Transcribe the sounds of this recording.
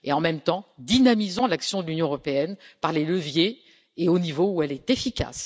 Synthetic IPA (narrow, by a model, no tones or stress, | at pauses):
eɑ̃mɛmt̪ɑ̃d̪inamizɑ̃laksjɔ̃d̪əlynjɔ̃øʁɔpeɛnpaʁleləvje | eonivouɛlɛt̪efikʲa̰s